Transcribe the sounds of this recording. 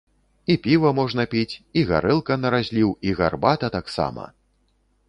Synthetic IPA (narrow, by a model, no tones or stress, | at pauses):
ipʲivɐmɔʐnɐpʲit͡sʲiɣa̰ɾɛlˠkɐnɐɾazʲlʲiwiɣa̰rbat̪ɐt̪aksa̰mɐ̰